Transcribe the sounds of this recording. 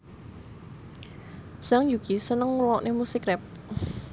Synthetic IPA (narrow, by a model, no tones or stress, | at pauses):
saŋjuɡ̥isənəŋruwɔʔnʔemusikɾɛp̚